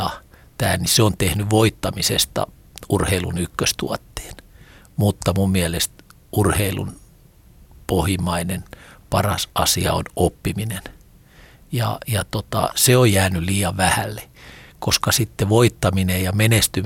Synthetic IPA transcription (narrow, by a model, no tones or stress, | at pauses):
ɑt̪æːlniseont̪ehnyʋoit̪ːɑmisest̪ɑ̰ | urheilṵnykːøst̪ṵɑt̪ːe̥ːn | mut̪ːɑmummiɛlest̪ | urheilṵn | pohimɑinenpɑrɑ̰sɑsiɑ̰o̰nopːiminen | jɑ̰jɑt̪ot̪ɑ̰seojjæːnyliːjɑʋʋæhælːe̥koskɑsit̪ːeʋoit̪ːɑminejɑmenest̪y